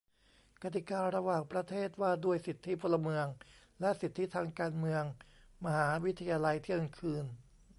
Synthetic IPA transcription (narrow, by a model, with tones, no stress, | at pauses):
ka˧˩t̪i˨˩kaː˧ɾa˧waː˨˩ŋpɾa˧t̪ʰeː˥˩t̪̚waː˥˩du˥˩əjsi˨˩t̪ʰːi˦˥pʰo˧lːa˧mɯ˧əŋ | lɛ˦˥ʔsi˨˩t̪ʰːi˦˥t̪ʰaː˧ŋkaː˧nmɯ˧əŋma˧haː˩˦˥wi˦˥t̪ʰːa˧jaː˧la˧jt̪ʰi˥˩əŋkʰɯː˧n